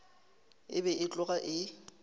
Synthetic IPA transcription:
ɪ̰bɛʔɪt͡ɬʼʊɣaʔɪ

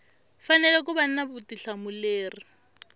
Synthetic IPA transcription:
fanɛlɛkʼʊban̩nabʊtiɬamʊleːri

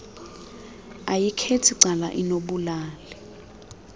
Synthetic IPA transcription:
ajikʰetʰiǀala̰ʔinoɓulaːlɛ

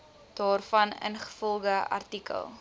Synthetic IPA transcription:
d̥ɑːrfɐnə̰nχə̥fɔlˠɡəʔɐ̰rtikə̰lˠ

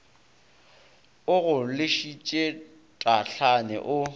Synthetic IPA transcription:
ʊɣʊlɪʃit͡ʃʼe | tʼaɬanɛ̰ʔʊ

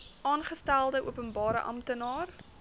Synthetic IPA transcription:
ʔɑːnχəstælˠdəʔṵəpənbɑːɾə̰ʔɐ̰mtənɑːr

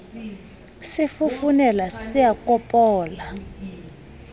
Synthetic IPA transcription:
sifufunɛlasijakʼɔpʼɔːla

